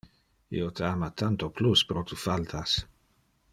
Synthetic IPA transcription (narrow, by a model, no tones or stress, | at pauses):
ḭot̪əamat̪ant̪opluspɾot̪ʰufalt̪ʰas